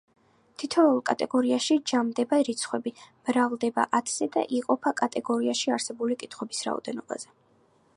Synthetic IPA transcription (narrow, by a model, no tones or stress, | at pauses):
t̪ʰit̪ʰɛulˠkʼat̪ʼɛɡɔɾiaʃid͡ʒamd̪ɛbaɾit̪sʰχwɛbimɾavlˠd̪ɛba̰ʔat̪ʰz̥ɛd̪a̰ʔiqʼɔpʰakʼat̪ʼɛɡɔɾiaʃiaɾsɛbulikʼit̪ʰχwɛbisɾa̰ɔ̰d̪ɛnɔba̰zɛ